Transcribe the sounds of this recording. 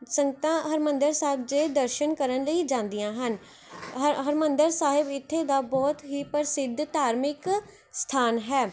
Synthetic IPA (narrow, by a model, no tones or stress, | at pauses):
səŋɡt̪ãːɦəɾmə̃nd̪əɾsaːɦɪb̚d͡ʒeːd̪əɾʃənkəɾənləiːd͡ʒãːnd̪ɪjãːɦən | ɦəɾmə̃nd̪əɾsaːɦɪbɪt̪ʰːeːd̪aːbɔːt̪ɦiːpəɾsɪd̪ʱt̪aːɾmɪk | st̪ʰaːnɦɛː